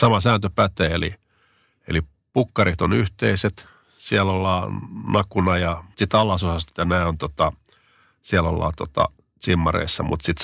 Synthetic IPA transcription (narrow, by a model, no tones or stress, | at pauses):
sɑmɑsæːnt̪øpæt̪eːelḭ | ḛli | pukːɑrit̪onyht̪eiset̪ | siælolːɑːnɑkunɑjɑsit̪ɑlːɑsosɑst̪jenæːont̪ot̪ɑ | siælo̰lːɑ̰ːt̪ot̪ɑ̰ | simːɑrḛisːɑmṵt̪sit̪